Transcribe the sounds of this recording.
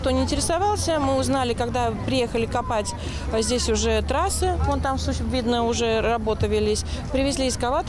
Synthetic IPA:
kt̪o̞nʲɪnʲtʲɪɾʲɪ̥sɐvɑlˠsʲəmɨʊznalʲɪkaɡd̪apɾʲɪje̞xəlʲɪkɐpatʲ | zʲdʲesʲʊʐɛt̪ɾasɨont̪amsusvʲid̪nəʊʐɛrɐbo̞t̪əvʲɪlʲisʲpɾʲɪvʲɪzʲlʲiːɪskɐvat̪

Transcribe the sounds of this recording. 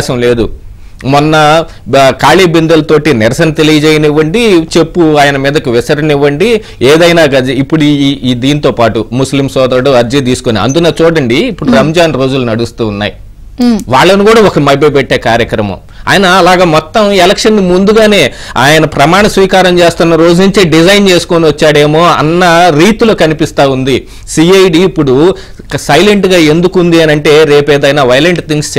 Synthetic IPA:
sɐmle̞ːd̪u | mɔnːɐ | kaːɭiːbind̪ɐlɐt̪o̞ːʈinɪɾɐsɐnɐt̪e̞lijɐd͡ʒɛːjɐnɛʋːɐɳɖit͡ʃe̞pːuaːjɐnɐmiːd̪ɐkiʋɪsɐɾinɛʋːɐɳɖi | eːd̪ɐjnaːɡɐd̪ɐipːuɽud̪iːnit̪o̞ːpaːʈumuslimsɔːd̪ɐɾɐɽoɐɾd͡ʒɐt̪iːsu̥koniɐ̰nd̪unaːt͡ʃuːɽɐɳɖiːpːuɽuɾɐmd͡ʒaːnɾo̞ːd͡ʒulunɐɽust̪uːnːa̰ːji | ʋaːɭːɐnukuːɽaːɔkɐmɐjbɐpeʈːe̞ːkaːɾjɐkɾɐmɐ̰m | a̰ːjɐnɐːlaːɡaːmɔt̪ːɐmelɐkʂɐnːimund̪uɡaːne̞ː | aːjɐnɐpɾɐmaːɳɐsʋiːkaːɾɐmt͡ʃe̞ːst̪unːɐɾo̞ːd͡ʒunuɲt͡ʃeɖid͡ʒɐjnt͡ʃeːsu̥koːniʋɐt͡ʃːaːɽe̞ːmo̞ːɐ̰nːɐɾiːt̪ulo̞ːkɐnipist̪aːund̪i | siːɐjɖiːpːuɽu | sɐjleɳʈɡaːe̞nd̪ukund̪iɐnɐɳʈe̞ːɾeːpɛːd̪ɐjnaːʋɐjleɳʈt̪iŋks

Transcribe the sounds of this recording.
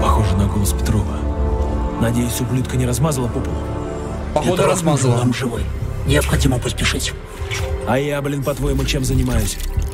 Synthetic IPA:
pɐxoʐɨnɐɡolˠəspʲɪ̥t̪ɾovə | nɐdʲejʊsʲʊblʲut̪kənʲɪɾɐzmazəlˠəpopəlˠə̰ | ɛd̪ɐzmzvamʐɨvɨjnʲɪɐpxɐdʲiməpəsʲpʲɪʂɨtʲ | ɐjablʲɪnpɐt̪vojmʊt͡ɕemzənʲɪmajʊsʲ

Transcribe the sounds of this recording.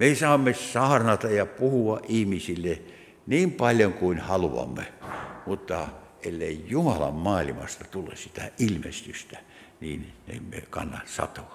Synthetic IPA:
mesɑːmːesɑhɑrnɑt̪ɑjɑpuhuɑʔʔihmisilːe | niːmpɑlʲjoŋkuinhɑluʋɑ̰mːemut̪ːɑʔelːeijumɑlɑ̰mmɑːlʲimɑ̰st̪ɑt̪ulːḛssit̪æʔilmḛst̪yst̪æ | niːnnḛmːḛkɑ̰nːɑtsɑ̰t̪oʋɑ

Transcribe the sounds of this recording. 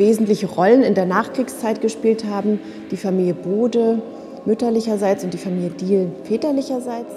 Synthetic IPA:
veːzn̩tlɪçəʁɔlənɪndeːɐnaːχkʁ̥iːkst͡saɪtɡ̥əʃpiːlthaːbm̩ | d̥iːfamiːljəboːdə | mʏtɐlɪçɐzaɪt͡sʊntd̥iːfamiːljədiːlfɛːtɐlɪçɐzaɪt͡s

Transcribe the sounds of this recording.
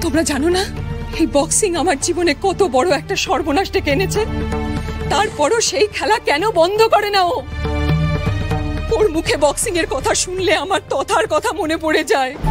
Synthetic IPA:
t̪omɾad͡ʑanonaejbɔksiŋamaɾd͡ʑibonekɔt̪obɔɽoɛk̚ʈaʃɔɾbonaʃɖekeenet͡ɕʰe | t̪aɾpɔɾoʃejkʰɛlakɛnobɔnd̪ʱokɔɾenao | t̪oɾmukʰebɔksiŋeɾkɔt̪ʰaʃunleamaɾt̪ɔt̪ʰaɾkɔt̪ʰamonep̬oɽed͡ʑae

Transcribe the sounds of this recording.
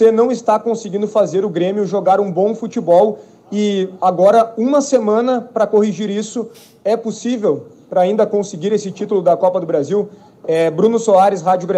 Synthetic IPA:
enɐ̃w̃ɪst̪akõsɪɡĩnd̪ʊfazeɾʊɡɾẽmjʊʒoɡaɾũbõw̃fut͡ʃibɔw | ɪaɡɔɾɐũmɐsemɐ̃nɐpɾɐkohiʒiɾisʊ | ɛposivew | pɾɐaĩnd̪ɐkõsɪɡiɾesɪt͡ʃit̪ʊlʊd̪ɐkɔpɐd̪ʊbɾaziw | ɛbɾũnʊsoaɾɪshad͡ʒʊɡɾe

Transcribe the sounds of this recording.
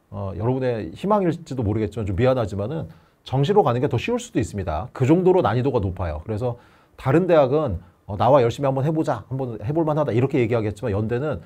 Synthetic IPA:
ʌ̰jʌɾʌbune̞çimaŋiɭt͡ɕ͈idomoɾɯɡet̚t͡ɕimant͡ɕomɥianɦad͡ʑimanɯn | t͡ɕʌŋɕ̬ʰiɾokanɯnɡetʌɕʰiuɭs͈udois͈ɯmɲida̰kɯd͡ʑʌŋdoɾonaɲidoɡanopʰajo̰kɯɾe̞s̬ʰʌ | taɾɯnde̞ɦaɡɯn | ʌnawajʌɭɕ͈imiɦambʌnɦe̞bod͡ʑahambʌnhe̞boɭmanɦadaiɾʌkʰe̞je̞ɡiɦaɡeet̚t͡ɕ͈imanjʌnde̞nɯn

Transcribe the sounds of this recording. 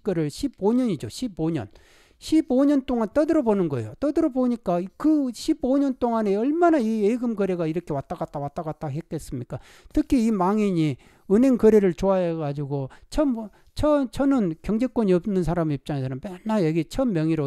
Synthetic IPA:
kʌɾɯɭɕʰiboɲʌɲid͡ʑoɕʰiboɲʌ̰n | ɕʰiboɲʌnt͈oŋant͈ʌdɯɾʌbonɯnɡʌḛjot͈ʌdɯɾʌboɲik͈aikɯɕʰiboɲʌnt͈oŋane̞ʌɭmanaieɡɯmɡʌɾe̞ɡaiɾʌkʰe̞wat͈aɡat͈awat͈aɣat̚t͈aɡɦe̞k͈es͈ɯmɲik͈a | tɯkʰiːmaŋiɲi | ɯnɦe̞ŋkʌɾe̞ɾɯɭt͡ɕoajeɡad͡ʑuɡot͡ɕʰʌm | t͡ɕʰʌt͡ɕʰʌnɯnkjʌŋd͡ʑe̞k͈woɲiʌbnɯnsʰaɾamiip̚t͡ɕ͈aŋe̞sʰʌnɯnpenːajʌɡit͡ɕʰʌmːjʌŋiɾo

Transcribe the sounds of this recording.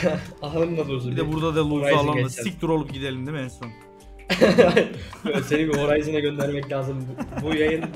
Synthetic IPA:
aɦnɯmd̪ˠad̪ˠuɾzbid̪ɛbuɾd̪ad̪alˠuɾzaalˠaɛic̚t̪ʰuɾo̞lˠup̚ɟid̪e̞lʲind̪imiɛnson | a | se̞nibio̞ɾajɯzɯnaɟø̞nd̪æɾmɛclʲaːzɯmbubujajɯn

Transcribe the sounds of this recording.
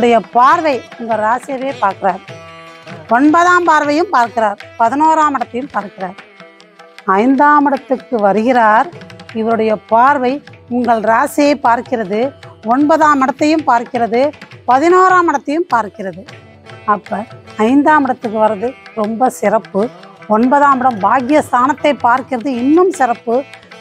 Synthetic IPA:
ɽɐjɐpaːɾʋɐɪʊŋɡɐɭɾaːseʋeːpaːɾkɪɾaːɾ | ɔɳbɐðaːmpaːɾʋɐjɯmpaːɾkɪɾaːɾpɐðɪnoːɾaːmɪɽɐt̪ːɐjɯmpaːɾkɪɾaːɾ | ɐɪnd̪aːmɪɽɐt̪ːɯkːɯʋɐɾɯɣɪɾaːɾɪʋɐɾɯɽɐjɐpaːɾʋɐɪʊŋɡɐɭɾaːsjeːpːaːɾkɪɾɐðɯɔɳbɐðaːmɪɽɐt̪ːɐjɯmpaːɾkɪɾɐðɯpɐðɪnoːɾaːmɪɽɐt̪ːɐjɯmpaːɾkɪrɐðɯ | ɐpːɐɐɪnd̪aːmɪɽɐt̪ːɯk̬ːɯʋɐɾɐðɯɾɔmbɐsɪɾɐpːɯɔɳbɐðaːmɪɽɐmbaːɣɪjɐst̪ʰaːnɐt̪ːɐɪpːaːɾkɪɾɐðɯɪnːɯmsɪɾɐpːɯ

